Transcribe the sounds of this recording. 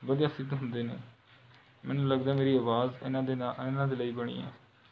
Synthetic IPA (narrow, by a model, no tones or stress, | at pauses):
ʋəd̪ijaːsɪd̪ɦʊnd̪eːnḛː | mɛːnũːləɡd̪aːmeːɾiːaːʋaːzɪnãːeɪnãːd̪eːləiːbəɽ̃ḭːɛ̰ː